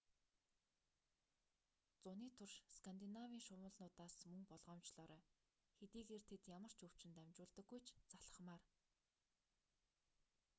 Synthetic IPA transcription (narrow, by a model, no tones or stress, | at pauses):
t͡sʊniːt̪ʰʊrʃskʰant̪inawiːŋʃʊwə̆ɮnʊːt̪aːsmɵŋpɔɮʁɔːmt͡ɕɮɔːɾœː | xet̪iːɣeːrt̪ʰet̪jamə̆r̥t͡ɕɵw̥t͡ɕɪ̆nt̪æmʲt͡ɕʊːɮt̪ə̆ɡːujt͡ɕʰt͡saɮə̆χmaːr